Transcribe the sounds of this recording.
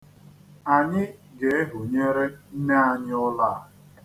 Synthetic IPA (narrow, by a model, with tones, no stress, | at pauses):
a˨ɲɪ˦ɡe˨e˦ɦʊ˨ɲe˦ɾe˦n̩˦ne˦a˨ɲɪ˦ʊ˦la˦˨